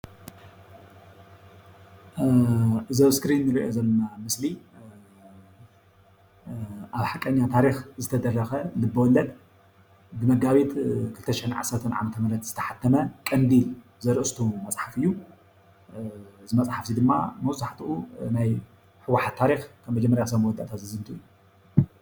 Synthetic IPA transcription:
ʔɨzowskɾinːɨɾiʔozɐlːɐnamɨsli | ʔaβħakʼːɐɲːat̪ʰaɾixzɨt̪ʰɐd̪ɐrːɐxɐlɨbːɐwɔlːɐd̪ | bɨmɐɡaβit̪kʰɨlɨt̪ʰɐʃɪħɨnʕa̰sːɐɾt̪ʰɐnʕa̰mɐt̪ʰɐmɨɾɐt̪z̥ɨt̪ʰɐ̥ħat̪ʰːɐmɐkʼɐnd̪il | zɐɾɨʔɨst̪ʰumɐt͡sʼħafɨjːu | zɨmɐt͡sʼħafsid̪ɨmːa̰mɐwzaħt̪ʰuʔunaj | ħɨwaħat̪ʰːaɾixkʰɐmːɐd͡ʒɛmːɐɾjas̬ɐmwɔd̪a̰ʔt̪ʰat̪zɨzɨmt̪ʰuju

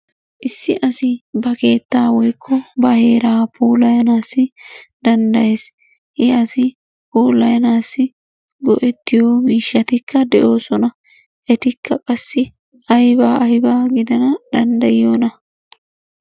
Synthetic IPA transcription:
ʔɪsːɪʔɐsɪbɐke̞ːt̪ːaːwɔjkʰːɔbɐhe̞ːɾaːpʰuːlɐjɐnaːsːɪd̪ɐnd̪ɐjeːs | hɪɐsɪ | poːlɐjɐnaːsːɪ | ɡɔʔɛt̪ːɪjoːmiːʃːɐt̪ɪkːɐd̪ɛʔo̞ːsɔnɐ | ʔɛt̪ɪkːɐkʼɐsːɪ | ɐjbaːʔɐjbaːɡɪd̪ɐnɐd̪ɐnd̪ɐjɪoːnɐ

